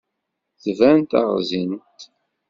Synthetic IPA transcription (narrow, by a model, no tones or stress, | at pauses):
θvænt̪ə̰ʁzint̪